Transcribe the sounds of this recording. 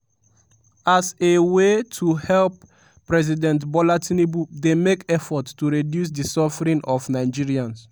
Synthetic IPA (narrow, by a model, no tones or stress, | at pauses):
asewetʰuhɛlp | pːɹɛz̬idɛ̃ntbɔlatinibudemekɛfɔttuɹidjus̬disɔfɹĩnʔɔfnaɪd͡ʒiɹiãns